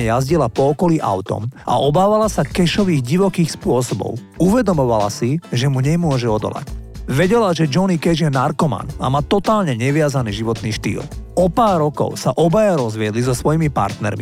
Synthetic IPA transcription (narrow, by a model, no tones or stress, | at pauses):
ɛjazɟilapɔːkɔliʔa̰ʊt̪ɔ̰ma̰ʔɔbaːʋalasakɛʃɔʋiːɣɟiʋɔkiːxspʊɔsɔbɔ̰ʊ | uʋɛd̪ɔmɔʋala̰siʒɛmuɲɛmʊɔʒɛɔd̪ɔ̰la̰cʋɛɟɛlaʒɛd͡ʒɔnikɛʒjɛnaɾkɔma̰na̰maːt̪ɔt̪aːlɲɛɲɛʋɪazaniːʒiʋɔt̪niːʃt̪ḭːlɔpaːɾɾːɔkɔ̰ʊsaʔɔbajaɾɔzʋɪɛd̪lizɔsʋɔjimipa̰ɾt̪nɛ̰ɾmḭ